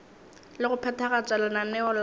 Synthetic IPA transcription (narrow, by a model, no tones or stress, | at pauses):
lɪɣʊpʰɛtʰaɣat͡sʼwɛlananɛɔl